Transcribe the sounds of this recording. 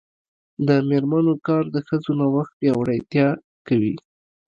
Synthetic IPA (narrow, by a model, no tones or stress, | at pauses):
d̪əmeɾmanokɑɾd̪əxəzonawaxt̪̚bjɑwɽajt̪jɑ | kawḭ